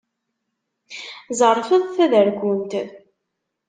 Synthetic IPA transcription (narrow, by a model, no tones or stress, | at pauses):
zərˤfəðˤθæðəɾɡunt̪əð